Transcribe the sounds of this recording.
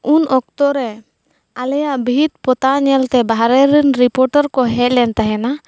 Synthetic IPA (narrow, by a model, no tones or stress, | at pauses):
unɔk̚t̪ɔɾɛ | alɛjaʔbʱit̪̚pɔt̪aɲɛlt̪ɛbaɦɾɛɾinɾipɔɾʈəɾkɔɦɛc̚lɛnt̪aɦɛna